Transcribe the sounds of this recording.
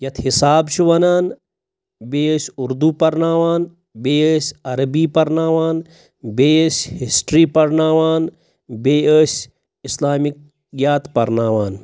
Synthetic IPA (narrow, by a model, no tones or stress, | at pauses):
jɐt̪ʰhisaːbt͡ʃʰiʋɐnaːn | beːəːsʲuɾd̪uːpɐɾnaːʋaːn | beːəːsʲɐɾɐbiːpɐɾnaːʋaːn | beːəshisʈɾiːpɐɾnaːʋaːn | beːəːs | islaːmik̚ | jaːt̪pɐɾnaːʋaːn